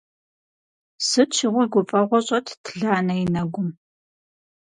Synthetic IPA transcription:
sɨt͡ʃʰɪʁʷɔɡʷʊfʼɐʁʷɔɕʼɐtʰtʰɮaːnɐjinɐɡʷʊm

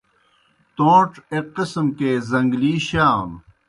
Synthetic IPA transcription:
t̪oːʈ͡ʂeqismkezɐŋɡliːɕaːn

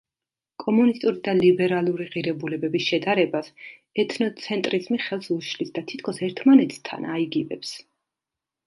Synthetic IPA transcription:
kʼɔmunist̪ʼuɾid̪alibɛɾalˠuɾiʁiɾɛbulɛbɛbisʃɛd̪aɾɛbas | ɛt̪ʰnɔt̪sʰɛnt̪ʼɾizmiχɛlˠsuʃlisd̪at̪ʰi̥t̪̚ʰkʰɔsɛɾt̪ʰmanɛt̪ʰt̪ʰa̰naiɡivɛps

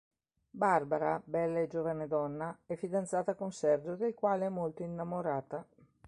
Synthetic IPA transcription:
barbaɾabɛlːaed͡ʒoːvaned̪ɔnːaɛfːid̪ant̪saːt̪akonsɛrd͡ʒod̪elkwaːleɛmːolt̪oinːamoɾaːt̪a

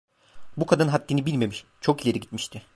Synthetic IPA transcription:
bukʰad̪ɯnɦat̪ːinibilʲme̞miʃt͡ʃʰo̞kilʲe̞ɾiɟit̪miʃt̪ʰɪ

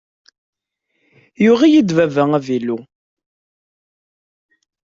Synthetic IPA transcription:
juʁijid̪vævæŋævilu

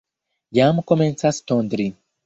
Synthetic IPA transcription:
jamukoment͡sast̪ond̪ɾi

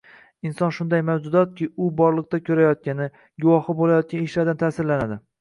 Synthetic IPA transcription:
ɪnsɒnʃʊnd̪ajmawd͡ʒʊd̪ɒt̪̚kʲʰɪʊbɒɾlˠɨq̚t̪akʲʰɵɾajɒt̪̚kʲanɪ | ɡʊwɒhɪbolajɒt̪̚kʲanɪʃlaɾd̪ant̪ʰaːsɪɾlanad̪ɪ

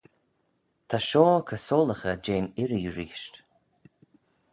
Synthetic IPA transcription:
t̪ʰaʃɔːkʰəsoːləxəd͡ʒeːnɪɾijɹiːʃt

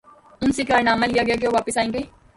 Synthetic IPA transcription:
ʊnsekaːɾɪnaːmalijaɡejak̬eoːʋaːpəsaːẽŋɡeː

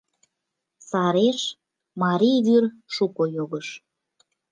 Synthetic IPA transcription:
sɑɾeʃ | mɑɾʲiβyr | ʃukojoɣəʃ

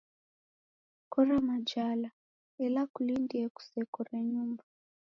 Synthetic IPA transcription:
kɔɾamad͡ʒala | ɛlakulindiɛku̥sɛkɔɾɛɲumba

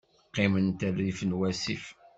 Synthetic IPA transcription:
qːimənt̪ərːifənwæsif

